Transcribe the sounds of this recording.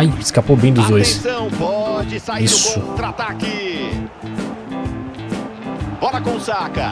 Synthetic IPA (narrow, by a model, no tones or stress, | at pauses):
ajɪskapobẽj̃d̪ʊzd̪ojssɐ̃w̃pɔd͡ʒɪsaisʊt̪ɾat̪aki | bɔɾɐkõʊsakɐ